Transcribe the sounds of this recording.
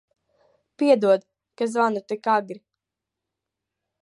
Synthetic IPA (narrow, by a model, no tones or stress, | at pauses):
piɛd̪uɔd̪ | kazvanut̪ikaɡɾi